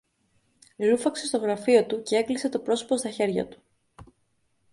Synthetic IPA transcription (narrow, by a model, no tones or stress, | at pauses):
lufɐkse̞st̪o̞ɣɾɐfio̞t̪uce̞e̞klise̞t̪o̞pɾo̞so̥po̞st̪ɐçe̞ɾʝɐ̰t̪u̥